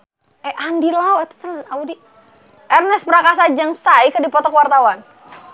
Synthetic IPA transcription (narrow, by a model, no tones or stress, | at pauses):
ɛʔandilawat̪ə̥t̪ənnaudi | ʔɛrnɛspəɾakasad͡ʒaŋsaikədipɔt̪ɔkəwart̪awan